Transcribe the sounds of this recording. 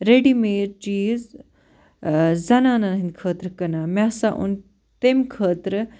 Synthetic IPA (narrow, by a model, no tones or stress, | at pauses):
ɾeɖimeːɾt͡ʃiːz | zɐnaːnanɐɦind̪kʰəːt̪ɾɨkɐnaːmʲaːsaʔṵn | t̪emkʰəːt̪ɾɨ